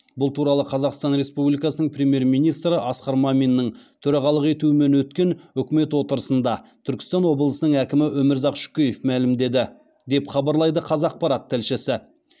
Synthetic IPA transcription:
bʊlˠt̪ʰuɾɑlˠəqʰɑzɑqst̪ɑnɾe̞spublijkɑsənəɴprʲe̞mje̞ɾmijnijst̪ɾəʔɑsqɑɾmɑminːəɴt̪ʰɵɾɑʁɑlˠəqe̞t̪uɪme̞nwɵt̪kʲe̞nʏkʲɪme̞t̪wo̞t̪əɾəsənd̪ɑt̪ʰʏɾkʲɪ̥st̪ɑnwo̞blˠəsənəŋækʲɪmɪʔɵmɪɾzɑqʃʏ̥kʲejefmælɪmd̪e̞d̪ɪ | d̪e̞pχɑbɑɾlˠɑjd̪əqʰɑzɑq̚pɑɾɑt̪ʰːɪlʃɪsɪ

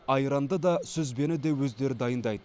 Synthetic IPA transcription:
ɑjɾɑnd̪əd̪ɑsɵzbe̞nɪd̪ewɵzd̪e̞ɾɪd̪ɑjənd̪ɑjd̪ə

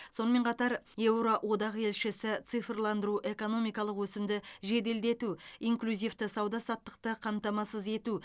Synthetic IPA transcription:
so̞nəme̞qʰɑt̪ɑɾewɾo̞ʔwo̞d̪ɑʁe̞lʃɪsɪt̪sɨfrlˠɑnd̪əɾuʔe̞ko̞no̞mijkɑlˠəqwɵsɪmd̪ɪʒe̞d̪e̞ld̪e̞t̪uiŋklʲuzijft̪əsɑwd̪ɑsɑt̪ːə̥q̚t̪əqʰɑmt̪ɑmɑsəze̞t̪u

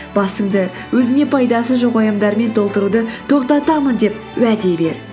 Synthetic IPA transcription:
b̥ɑsəmd̪ə | wɵzɪne̞pʰɑjd̪ɑsəʒoqɑjəmd̪ɑɾme̞nt̪ʰo̞lˠt̪əɾud̪ət̪ʰo̞qt̪ɑt̪ɑmənd̪e̞p̚wæd̪e̞be̞ɾ

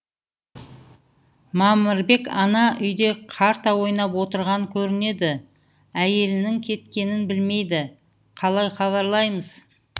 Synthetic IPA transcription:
mɑmɪɾbe̞kɑnɑʔʏjd̪e̞qʰɑɾt̪ɑwo̞jnɑpwo̞t̪əɾʁɑŋkʲʰɵɾɪne̞d̪ɪ | æje̞lɪnɪŋkʲʰe̞t̪kʲe̞nɪnbɪlme̞jd̪ɪ | qʰɑlˠɑjqɑβɑɾlˠɑjməz̥

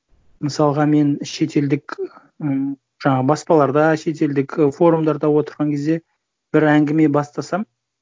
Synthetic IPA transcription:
məsɑlˠəʁɑme̞nʃe̞t̪ʰe̞ld̪ɪk | ə | ʒ̥ɑɴɑʁəbɑspɑlˠɑɾd̪ɑʃe̞t̪e̞ld̪ɪkfo̞ɾumd̪ɑɾd̪ɑwo̞t̪əɾʁɑŋkʲʰe̞zd̪e̞ | b̥ɪɾæŋɡʲɪme̞bɑst̪ɑsɑm

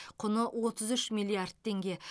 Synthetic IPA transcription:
qʰʊnəwʔo̞t̪əzʏʃmʲilʲˠiard̪̚t̪ʰːe̞ŋɡʲe̞

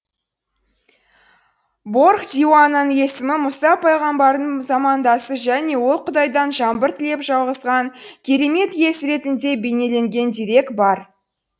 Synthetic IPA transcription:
bo̞rχd̪ʲiwanənje̞sɪmɪmʊsɑpʰɑjʁɑmbɑɾəzɑmɑnd̪ɑsəʒæne̞wo̞lˠqʰʊd̪ɑjd̪ɑnʒɑmbəɾt̪ʰɪle̞pʒɑlˠʁəzʁɑŋkʲʰe̞ɾe̞me̞t̪je̞sɾe̞t̪ɪnd̪e̞bejne̞le̞ŋɡʲe̞nd̪ijɾe̞kbɑɾ

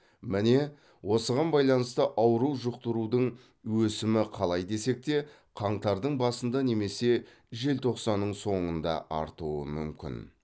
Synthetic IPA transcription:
mɪne̞ | wo̞səʁɑnbɑjlˠɑnəst̪əʔɑwɾuwʒʊq̚t̪əɾud̪əɴ | wɵsɪmɪqʰɑlˠɑjd̪e̞se̞k̚t̪e̞ | qʰɑɴt̪ɑɾd̪əɴbɑsənd̪ɑne̞me̞se̞ | ʒe̞lt̪ʰo̞qsɑnːəɴso̞ɴənd̪ɑ̰ʔɑ̰ɾt̪uwə̰mʏmkʲɪ̰n

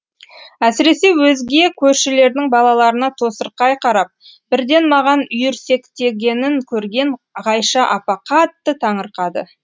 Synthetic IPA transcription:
æsɪɾe̞se̞wɵzɡʲe̞kʲʰɵɾʃɪle̞ɾd̪ɪŋbɑlˠɑlˠɑɾənɑt̪ʰo̞səɾqɑjqʰɑɾɑp̚ | b̥ɪɾd̪e̞nmɑʁɑnʏjʏɾse̞kt̪e̞ɡʲe̞nɪŋkʲʰɵɾɡʲe̞ɴ | ʁɑjʃɑʔɑpɑqɑt̪ːət̪ʰɑɴəɾqɑd̪ə̰

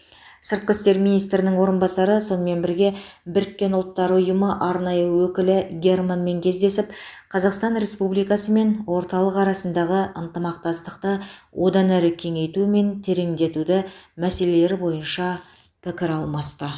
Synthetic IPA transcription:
səɾt̪̚qəst̪e̞ɾminijst̪ɾɪnɪŋwo̞ɾənbɑsɑɾəso̞nəme̞nbɪɾɡʲe̞bɪɾɪkʲːe̞nʊlˠt̪ːɑɾʊjəməʔɑɾnɑjəəwɵkʲɪlɪɡʲe̞rmanme̞ŋkʲʰe̞zd̪e̞sɪp̚qʰɑzɑqst̪ɑnɾe̞spublijkɑsəme̞nwo̞ɾt̪ɑlˠəqɑɾɑsənd̪ɑʁəʔənt̪əmɑq̚t̪ɑst̪əqt̪əwʔo̞d̪ɑnæɾɪkʲʰe̞ŋe̞jt̪ume̞nt̪ʰe̞ɾeŋd̪e̞t̪ud̪ɪmæse̞le̞le̞ɾɪbo̞jənʃɑ | pʰɪkʲɪɾɑlˠmɑst̪ə

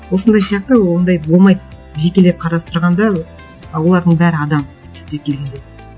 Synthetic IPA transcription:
wo̞sənd̪ɑjsijɑq̚t̪əwond̪ɑjbo̞lˠmɑjt̪ | ʒe̞kʲe̞leqʰɑɾɑst̪əɾʁɑnd̪ɑ | wolˠɑɾd̪əɴbæɾɪɑd̪ɑm | t̪ʰʏ̥p̚t̪e̞kʲʰe̞lɡʲend̪e

